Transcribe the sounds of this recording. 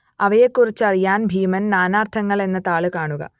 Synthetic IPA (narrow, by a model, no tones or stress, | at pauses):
ɐʋɐjekːurit͡ɕːɐrijaːnbʱiːmɐnnaːnaːrt̪ʰɐŋːɐɭe̞nːɐt̪aːɭɨkaːɳuɣɐ̰